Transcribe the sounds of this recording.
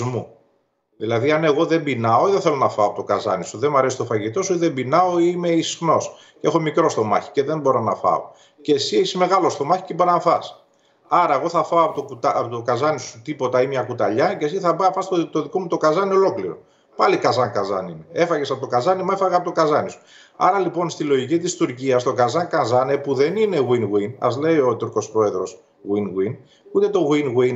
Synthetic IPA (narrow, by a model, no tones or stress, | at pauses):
zmu | ðilɐðiɐne̞ɣo̞ðe̞mbinɐo̞iðeθe̞lo̞nɐfɐoɐpo̞t̪okɐzɐ̰nisuðe̞mɐɾe̞si̥t̪o̞fɐʝit̪o̞suiðe̞mbinɐo̞ime̞isi̥xno̞s | ce̞xo̞mikɾo̞st̪o̞mɐ̰çi̥ce̞ðembo̞ɾonɐ̰fɐ̰o̰ | ceːsieçisme̞ɣɐlo̞st̪o̞mɐçi̥ceboɾonɐfɐs | ɐɾɐeɣo̞θɐfɐoɐpot̪okut̪ːpot̪okɐzɐnisu̥t̪ipo̞t̪ɐimɲɐkut̪ɐ̰ʎɐces̬iθɐbɐfɐst̪ot̪o̞ðiko̞mut̪o̞kɐzɐneo̞lo̞kliɾo̞̰ | pɐlikɐzɐŋkɐzɐ̰ninee̞fɐɣesɐpot̪okɐzɐnimue̞fɐɣɐpot̪okɐzɐnisu̥ | ɐ̰ɾɐlipo̞nst̪ilo̞ʝicit̪ist̪uɾciɐst̪o̞kɐzɐŋkɐzɐnepuðe̞nine̞ɣwinɣwinɐ̰zle̞io̞t̪uɾko̞spɾo̞e̞ðɾo̞s | ɣinɣwin | ut̪e̞t̪o̞ɣwinɣwin